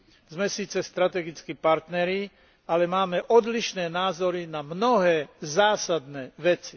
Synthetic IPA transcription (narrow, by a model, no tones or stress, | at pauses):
zmɛsiːt͡sɛst̪ɾat̪ɛɡit͡skipaɾt̪nɛɾi | alɛmaːmɛʔɔd̪liʃnɛːnaːzɔɾinamnɔɦɛːzaːsad̪nɛːʋɛt͡si̥